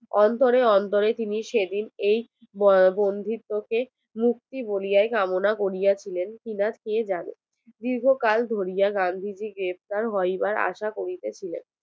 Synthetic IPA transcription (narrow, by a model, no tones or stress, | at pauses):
ɔnt̪oɾeɔnt̪oɾet̪iniʃed̪inej | bond̪ʱit̪ːoke | muk̚t̪ibolijaekamonakoɾijat͡ɕʰilenkinat̪kied͡ʑanḛ | d̪iɾɡʱokald̪ʱoɾijaɡand̪ʱid͡ʑiɡɾep̚t̪aɾɦɔjbaɾa̰ʃakoɾit̪et͡ɕʰilḛn